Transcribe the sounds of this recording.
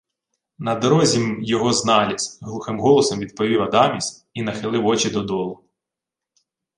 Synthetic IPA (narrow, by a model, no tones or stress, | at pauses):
nɐd̪ɔɾɔzʲimjɔɦɔznɑlʲisʲɦlˠuxɪmɦɔlˠɔsɔmʋʲid̪̚pɔʋʲiwɐd̪ɑmʲisʲ | inɐxɪlˠɪwɔt͡ʃid̪ɔd̪ɔlˠʊ